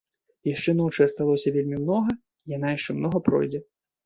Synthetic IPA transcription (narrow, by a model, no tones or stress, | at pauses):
jaʂt͡ʂɛnɔt͡ʂɨɐst̪alˠɔsʲɐvʲelʲmʲimn̪ɔɣɐ | ijan̪ajaʂt͡ʂɛmnɔɣɐpɾɔ̰jd͡zʲɛ